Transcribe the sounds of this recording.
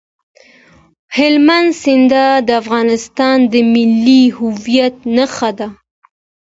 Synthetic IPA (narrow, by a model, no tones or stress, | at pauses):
hɪlmand̪sɪnd̪ad̪əafɣɑnɪst̪ɑnd̪əmɪlːihʊvijat̪̚naxad̪a